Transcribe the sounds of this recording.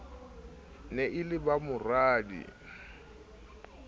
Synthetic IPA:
nɛʔɪlɪbamʊraːdḭ

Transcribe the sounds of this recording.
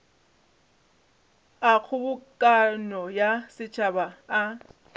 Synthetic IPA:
ak͡xʰʊbʊkʼanɔjasɪt͡ʃʰʼabaː

